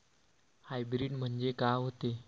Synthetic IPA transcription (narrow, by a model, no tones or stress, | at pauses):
hajbɾiɖm̤əɳd͡ʑekaɦot̪e